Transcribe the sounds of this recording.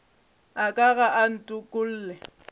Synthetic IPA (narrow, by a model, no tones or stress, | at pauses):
akʼaɣaʔan̩tʼʊkʼʊl̩ːlɛ